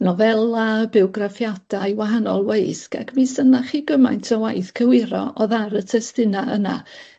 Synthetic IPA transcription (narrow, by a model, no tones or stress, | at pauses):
nɔvɛlˠabɪɔɡrafjad̥ajwaɦanɔlˠwejska̰kmisənaχiɡəma̰jntʰɔwajθkʰəwɪɾɔ̰ʔɔðaɾətʰɛstɪnaəna̰